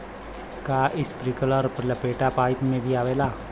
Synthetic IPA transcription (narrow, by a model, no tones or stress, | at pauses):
kaːʔɪspɾikələɾpləpeːʈaːpaːɪt̪mẽːbʱiaːʋeːlaː